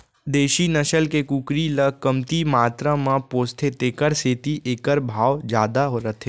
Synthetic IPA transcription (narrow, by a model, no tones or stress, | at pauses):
d̪eːʃinəʃəlkekuːkɾiləkəmt̪imaːt̪ɾãmãpoːst̪ʰet̪eːkəɾseːt̪iʔeːkəɾbʱaːʋd͡ʒjaːd̪aɦoɾət̪ʰeː